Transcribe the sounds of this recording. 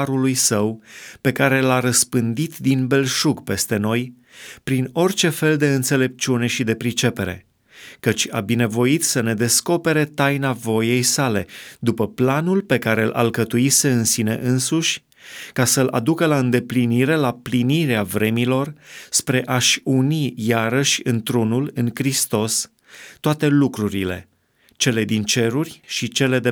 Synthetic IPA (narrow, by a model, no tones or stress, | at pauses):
ɾulujsəwpe̞kaɾe̞laɾəspɨnd̪it̪d̪inbe̞lʃukpe̞st̪e̞no̞j | pɾino̞rʲt͡ʃe̞fe̞ld̪e̞ɨnt̪se̞le̞p̚t͡ʃune̞ʃid̪e̞pɾit͡ʃe̞pe̞ɾe̞̰ | kət͡ʃʲa̰bine̞vo̞it̪səne̞d̪e̞sko̞pe̞ɾe̞t̪ajnavo̞je̞jsale̞d̪upəplanulpe̞kaɾe̞lʔa̰lkət̪uise̞ɨnsine̞̰ʔɨnsuʃʲ | kasəlʔa̰d̪ukəlaɨnd̪e̞pliniɾe̞lapliniɾeavɾe̞milo̞rspɾe̞ʔaʃʲunijaɾəʃʲɨnt̪ɾunulɨŋkɾist̪o̞s | t̪ːoat̪e̞lukɾuɾile̞̰ | t͡ʃe̞le̞d̪int͡ʃe̞ɾurʲʃit͡ʃe̞le̞d̪e